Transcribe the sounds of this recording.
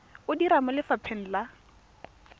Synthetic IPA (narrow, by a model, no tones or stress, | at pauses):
ʊdiɾamɔlɪfapʰɛn̩la